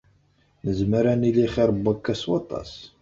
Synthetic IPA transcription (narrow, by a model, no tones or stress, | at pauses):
nəzməɾæniliχiɾˤəbːəkːæswɑ̰t̪ˤɑ̰s